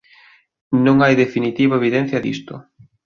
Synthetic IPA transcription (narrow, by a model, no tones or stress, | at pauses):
nõŋajðefinit̪iβaeβiðɛn̟θjɐðḭst̪ʊ̰